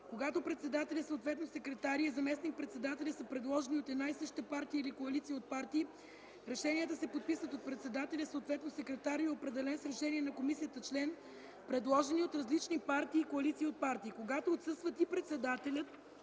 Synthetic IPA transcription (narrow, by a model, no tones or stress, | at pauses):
koɡat̪opɾɛt̪sɛd̪at̪ɛlʲəsəot̪vɛt̪nosɛkɾɛt̪aɾiɛzɐmɛsnik̚pɾɛt̪sɛd̪at̪ɛlʲisəpɾɛd̪lˠɔʒɛniot̪ɛd̪naisɤʃt̪əpaɾt̪iəilikoɐlit̪siəot̪̚paɾt̪iː | ɾɛʃɛniət̪əsɛpot̪̚pisvət̪ot̪̚pɾɛt̪sɛd̪at̪ɛlʲəsot̪vɛt̪nosɛkɾɛt̪aɾiɛopɾɛd̪ɛlɛnsɾɛʃɛniɛnɐkomisiət̪ət͡ʃlɛn | pɾɛd̪lˠɔʒɛniot̪ɾɐzlit͡ʃnipaɾt̪iːkoɐlit̪siːot̪̚paɾt̪iːkoɡat̪oːt̪sɤst̪vət̪ipɾɛt̪sɛd̪at̪ɛlʲət̪̚